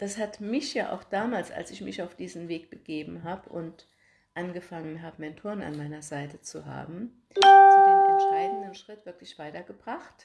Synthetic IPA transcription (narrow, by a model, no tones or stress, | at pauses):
d̥ashatmɪçjaːʔa̰ʊxd̥aːmaːlsa̰lsɪçmɪçaʊfd̥iːzn̩veːk̚b̥əɡ̥eːbm̩ɦaːbəʔʊnt | ʔanɡəfaŋənɦaːbəmɛɪntʰʊɐna̰nmaɪnɐzaɪtət͡suɦa̰ːbm̩ | ɛnʃʁ̥aɪdn̩dənʃʁ̥ɪtv̥ɪɐklɪçv̥aɪtɐɡəb̥ʁ̥aχt